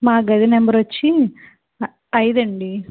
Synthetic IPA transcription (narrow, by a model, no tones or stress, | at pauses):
maːɡɐd̪inembɐɾʋɐt͡ʃːi | ɐjd̪ɐɳɖi